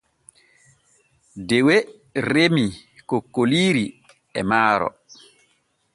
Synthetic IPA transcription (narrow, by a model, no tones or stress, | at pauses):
dɛwɛ | ɾemikokːoliːɾi | ɛmaːɾɔ̰